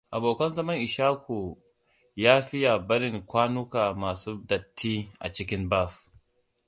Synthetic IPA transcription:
ʔa˨boː˨kɐ˦nzɐ˦mɐ˦ŋʔɪ˨ʃaː˦kʷʰo˨ | jaː˦ɸɪ˦ja˨bɐ˦ɾɪ˦ŋkʷaː˦nʊ˦kaː˨maː˨suː˦dɐ˨tːiː˦ʔa̰˨t͡ʃɪ˦kʲɪ˦mba˦˨ɸ

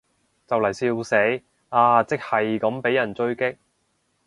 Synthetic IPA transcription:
t͡sɐ˨wlɐ˨˩jsiː˧wse˨˥j | aː˧˩t͡sɪ˥k̚hɐ˨jkɐ˨˥mpe˨˥jɐ˨˩nt͡sɵ˥ɥkɪ˥k̚

